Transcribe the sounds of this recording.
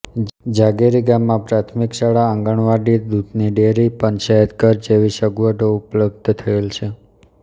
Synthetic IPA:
d͡ʒaɡeɾiɡamːãpɾat̪ʰmikʃaɭaəŋɡəɳ̃ʋaɖid̪ud̪ʱniɖeɾipəɳʃɛɦəd̪kəɾd͡ʒeʋiʃəɡuʋəʈ̪oupləb̚d̪ʱt̪ʰəelt͡ʃʰe

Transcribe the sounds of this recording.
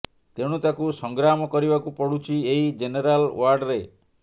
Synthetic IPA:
t̪eɽ̃ut̪akusɔŋɡɾamɔkɔɾibakupɔɽut͡ʃʰieɦid͡ʒeneɾalwaɾɖɾe

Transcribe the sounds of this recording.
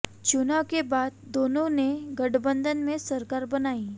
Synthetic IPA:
t͡ʃʊnawkebaːd̪̚ːoːnõneɡɐɖbə̃nd̪ʱənmẽsɐɾkaːɾbɐnaːiː

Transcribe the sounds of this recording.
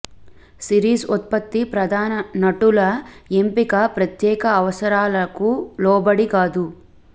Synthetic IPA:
siɾiːsut̪̚pɐt̪ːipɾɐd̪ʱaːnɐnɐʈulɐempikɐpɾɐt̪jɛːkɐːʋɐsɐɾaːlɐkulɔːbɐɽikaːd̪u

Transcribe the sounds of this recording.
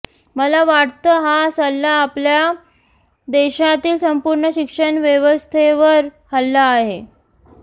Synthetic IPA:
məlaʋaɽt̪əːɦasəlːaːplja | d̪eɕat̪iːlsəmpuɾɳəɕikʂəɳʋjeʋəst̪ʰeʋəɾhalːaːɦe

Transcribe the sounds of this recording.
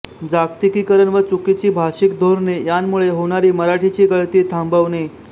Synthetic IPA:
d͡zak̚t̪ikikəɾəɳʋət͡sukit͡ɕiːbʱaɕikd̪ʱoɾnejanmuɭeɦoɳ̃aɾiːməɾaʈʰit͡ɕiːɡəɭt̪iːt̪ʰãmbəʋne

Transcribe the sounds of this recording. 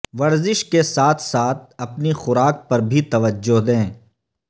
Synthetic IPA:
ʋɐɾzɪʃkesaːt̪ʰsaːt̪̚ʰɐpnixʊɾaːk̚pɐɾbʱit̪ɐʋəd͡ʒːʊɦd̪ẽː

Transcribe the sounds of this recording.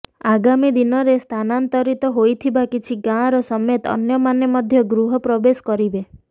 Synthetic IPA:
aɡamid̪inɔɾest̪ʰanant̪ɔɾit̪ɔɦojt̪ʰibakit͡ʃʰiɡãɾɔsɔmet̪ɔ̰njɔmanjemɔd̪ʱjɔɡɾuɦɔpɾɔbesɔ̥kɔɾibe

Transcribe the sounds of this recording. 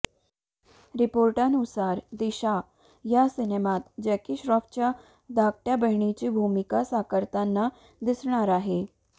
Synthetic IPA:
ɾɪpoːɾʈanusaːɾd̪iʃa | jasɪnemaːt̪d͡ʒɛkiʃɾɔːft͡ɕa | d̪aːk̚ʈjabəɦɳ̃it͡ɕibʱumikasaːkəɾt̪anːa | d̪ɪsɳ̃aɾaɦe

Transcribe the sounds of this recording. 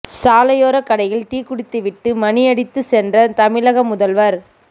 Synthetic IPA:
saːlɐjoːɾɐkɐɽɐjɪlt̪iːkʊɽɪt̪ːɯʋɪʈːɯmɐniɐɽɪt̪ːɯsɛndrɐt̪ɐmɪlɐɣɐmʊðɐlʋɐɾ

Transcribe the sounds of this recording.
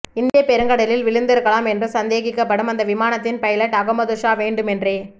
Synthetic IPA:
ɪnd̪ɪjɐpɛɾɯŋɡɐɽɐlɪlʋɪɭɪnd̪ɪɾɯkːɐɭaːmɛndrɯsɐnd̪eːɣɪkːɐpːɐɽɯmɐnd̪ɐʋɪmaːnɐt̪ːɪnpɐjɐlɐʈːɐɣɯmɐðɯʂaːʋeːɳɖɯmɛndreː

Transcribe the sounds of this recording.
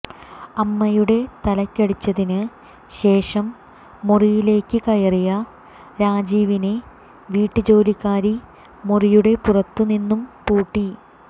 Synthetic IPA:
ɐmːɐjuɽe̞t̪ɐlɐkʲːɐɽit͡ɕːɐðinɨ | ɕe̞ːʂɐmː | orijile̞ːkːɨkɐjɐrijɐ | ɾaːd͡ʑiːʋine | ʋiːʈːɨd͡ʑo̞ːlikːaːɾi | morijuɽe̞purɐt̪ːɨninːumpuːʈːi

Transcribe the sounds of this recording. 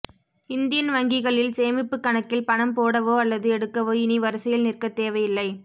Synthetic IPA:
ɪnd̪ɪjɐnʋɐŋɡɪɣɐɭɪlseːmɪpːɯkːɐɳɐkːɪlpɐɳɐmpoːɽɐʋoːɐlːɐðɯɛɽɯkːɐʋoːɪniʋɐɾɐsɐjɪlnɪrkɐt̪ːeːʋɐjɪlːɐɪ

